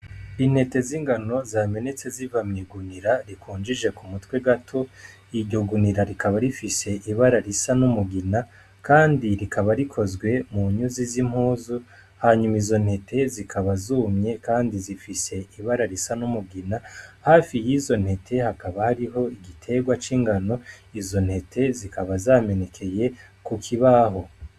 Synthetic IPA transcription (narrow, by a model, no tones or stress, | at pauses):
in̥he̞te̞ziːŋɡano̞zaːme̞ne̞t͡se̞zivamɲiɡuniɾaɾikʰuːnd͡ʒiʒe̞kumutwe̞ɡatʰo̞ | iɾɟo̞ɡuniɾaɾikaβaɾifise̞ʔiβaɾaɾisanumuɡina | kaːndiɾikʰaβaɾikʰo̞zɡwe̞muɲuzizim̥huːzu | haːɲumizo̞n̥he̞tʰe̞zikʰaβazumɲe̞kaːndizifise̞ʔiβaɾaɾisanumuɡinahaːfijiːzo̞nhe̞tʰe̞hakaβahaɾiɦo̞iɡitʰe̞ɡwat͡ʃiːŋɡano̞izo̞n̥he̞tʰe̞zikʰaβazaːme̞ne̞kʰe̞je̞ | kukʰiβaɦo̞